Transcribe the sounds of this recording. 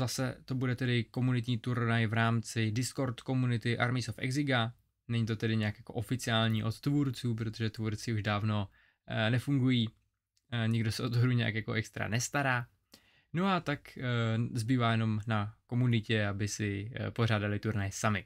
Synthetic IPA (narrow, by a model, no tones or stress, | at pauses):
zasɛ̰t̪o̞budɛt̪ɛdɪko̞munɪt̪ɲiːt̪uɾnajvɾaːmt͡sɪdɪsko̞ɾt̪ko̞munɪt̪ɪʔaɾmisofʔɛ̰ɡzɪɡa | nɛɲit̪ot̪ɛdɪɲɛakjako̞ʔo̞fɪt͡sɪaːlɲiːʔo̞t̪t̪vuːɾt͡suːp̬ɾo̞t̪o̞ʒɛt̪vuːɾt͡sɪuʒdaːvno | nɛfuŋɡujiː | ɲɪɡdo̞sɛʔot̪oɦɾuɲɛa̰kjako̞ʔɛkst̪ɾa̰nɛst̪aɾaː | noat̪akzbiːvaːjɛno̞mnako̞munɪcɛabɪsɪpo̞r̝aːdalɪt̪uɾnajsamɪ